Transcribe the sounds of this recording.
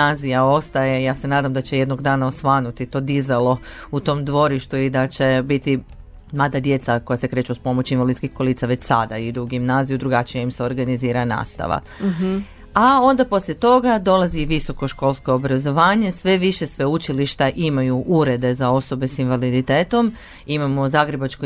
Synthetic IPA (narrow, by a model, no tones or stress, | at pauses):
aːzijao̞st̪ajejaːse̞naːd̪amd̪at͡ɕeje̞d̪noɡd̪aːnaosʋaːnut̪it̪o̞ːd̪izelˠo̞ | ut̪o̞ːmd̪ʋo̞ɾiʃt̪uid̪at͡ɕe̞bit̪i | mlaːd̪ad̪je̞t̪sako̞jase̞kɾe̞ːt͡ʃuspo̞mo̞t͡ɕinʋalid̪skihko̞lˠiːt̪saʋe̞t͡ɕsa̰d̪aid̪uuɡimnaːzijud̪ɾuɡat͡ʃijeimseo̞ɾɡaniziːɾana̰ːst̪a̰ʋa̰ | ao̞nd̪apo̞sljʲet̪o̞ɡad̪o̞lˠaziʋiso̞ko̞ʃko̞lˠsko̞obɾazo̞ʋaːɲe̞sʋe̞ʋiʃe̞sʋe̞ut͡ʃiliʃt̪aʔimajuʔuɾe̞d̪e̞zao̞so̞be̞sinʋalid̪it̪eːt̪o̞m | imamo̞zaɡɾe̞bat͡ʃko